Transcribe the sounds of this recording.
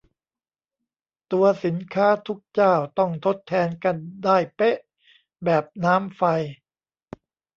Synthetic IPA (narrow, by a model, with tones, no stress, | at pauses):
t̪u˧ɐsi˩˦nkʰaː˦˥t̪ʰu˦˥k̚t͡ɕaː˥˩wt̪ɔ˥˩ŋt̪ʰo˦˥t̪ʰːɛː˧nka˧ndaː˥˩jpe˦˥ʔ | bɛː˨˩p̚naː˦˥mfa˧j